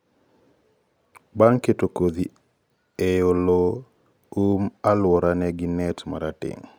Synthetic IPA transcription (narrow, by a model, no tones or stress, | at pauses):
baŋketokoði | ejolo | umalwɔɾaneɡinɛtma̰ɾatḭŋ